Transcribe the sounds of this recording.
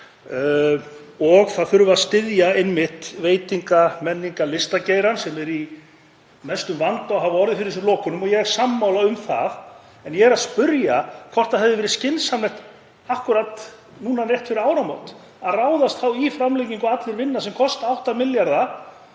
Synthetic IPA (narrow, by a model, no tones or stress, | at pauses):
ɔɣθaðθʏɾvʏaðst̪ɪðjaɪnmɪht̪veːjt̪iŋkamɛnːiŋkalɪst̪aceːjɾansɛmɛɾi | mɛst̪ʏmvant̪ɔɣɦavɔɾðɪfɪɾɪɾs̬ʏlɔːkʏnʏmɔjɛɛɾ̥samːawlaʏmθa̰ð | ɛnjɛɛɾaðspʏɾjakʰvɔr̥t̪aðɦɛvðɪvɛːɾɪ̥scɪnsamlɛht̪ | ahkʏɾat̪ | nuːnarɛht̪fɪɾɪɾaːwɾamo̰wt̪ | aðraːwðast̪θawifɾamlejciŋkʏat̪lɪɾvɪnːasɛmkʰɔst̪awht̪amɪljaɾða